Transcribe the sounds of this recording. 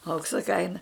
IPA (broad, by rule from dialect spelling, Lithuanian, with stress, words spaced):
ˈɐʊksɐ ˈkɐɪnɐ